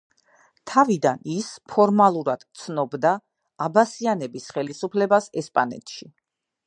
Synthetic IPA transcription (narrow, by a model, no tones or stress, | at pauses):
t̪ʰavid̪anispʰɔɾmalˠuɾad̪̥t̪sʰnɔbd̪aː | basianɛbisχɛlisupʰlɛbasɛspʼanɛ̰t̪ʰʃi